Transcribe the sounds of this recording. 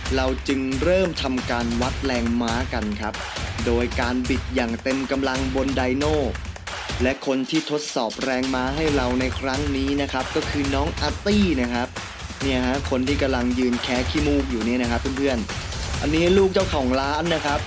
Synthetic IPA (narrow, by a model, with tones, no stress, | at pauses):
ɾa˧wt͡ɕɯ˧ŋɾɤː˥˩mt̪ʰa˧mkaː˧nwa˦˥t̪̚lɛː˧ŋmaː˦˥ka˧nkʰa˦˥p̚doː˧jkaː˧nbi˨˩t̪̚jaː˨˩ŋt̪e˧mka˧mla˧ŋbo˧ndaː˧jnoː˥˩ | lɛ˦˥ʔkʰo˧nt̪ʰiː˥˩t̪ʰo˦˥t̪̚sɔː˨˩p̚ɾɛː˧ŋmaː˦˥ɦa˥˩jɾa˧wna˧jkʰɾa˦˥ŋniː˦˥na˦˥kʰa˦˥p̚kɔː˥˩kʰɯː˧nɔː˦˥ŋʔaː˧t̪iː˥˩na˦˥kʰa˦˥p̚ | ni˥˩ɐka˦˥kʰo˧nt̪ʰiː˥˩ka˧mla˧ŋjɯː˧nkʰɛː˦˥kʰiː˥˩muː˥˩k̚juː˨˩ni˥˩˨na˦˥kʰa˦˥pʰːɯː˥˩npʰɯ˥˩ənʔa˧nːiː˦˥luː˥˩k̚t͡ɕa˥˩wkʰɔː˩˦ŋlaː˦˥nːa˦˥kʰɾa˦˥p̚